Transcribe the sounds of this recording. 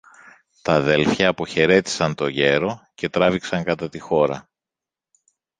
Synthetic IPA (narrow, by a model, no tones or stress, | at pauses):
t̪ɐːðelfçɐːpo̞çe̞ɾe̞t̪i̥sɐnt̪o̞ʝe̞ɾo̞ce̞t̪ɾɐviksɐŋkɐt̪ɐt̪ixo̞ɾɐ